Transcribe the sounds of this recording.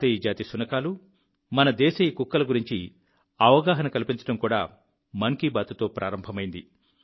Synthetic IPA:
ɐjid͡ʒaːt̪isunɐkaːlu | mɐnɐd̪ɛːʃɐjikukːɐlɐɡuɾiɲt͡ʃi | ɐʋɐɡaːɦɐnɐkɐlipiɲt͡ʃɐ̥ʈɐmkuːɽa̰ː | mɐŋkiːbaːt̪ut̪o̞ːpɾʔa̰ːɾɐmbʱɐmɐjind̪i

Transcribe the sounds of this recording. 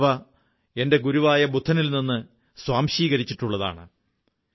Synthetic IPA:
ʋɐ | e̞nde̞ɡuɾuʋaːjɐbud̪ʱːɐnilninːɨ | swaːmɕiːɣɐɾit͡ɕːiʈːuɭːɐða̰ːɳɨ

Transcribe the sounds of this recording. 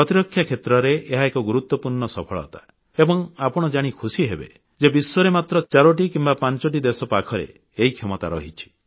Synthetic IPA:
pɾɔt̪iɾɔkʰːjakʰet̪ɾɔɾeeɦaekɔɡuɾut̪wɔpuɾɳɔsɔpʰɔɭɔ̰t̪ḁ | ebɔŋapɔɽ̃ɔd͡ʒaɽ̃ikʰusiɦebḛ | d͡ʒebiswɔɾemat̪ɾɔt͡ʃaɾɔʈ̬ikimbapant͡ʃɔʈ̬id̪esɔpakʰɔɾḛ | eɦikʰemɔt̪a̰ɾɔɦit͡ʃʰi̥

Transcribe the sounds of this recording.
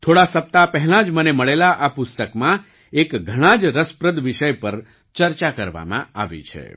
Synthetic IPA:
t̪ʰoɽasəp̚t̪apɛɦɛlãd͡ʒməneməɭelaʔapʊst̪əkmã | ekɡʱəɽ̃ãd͡ʒɾəspɾəd̪ʋiʃəjpəɾ | t͡ʃəɾt͡ʃakəɾʋa̰mã̰aʋḭt͡ʃʰḛ

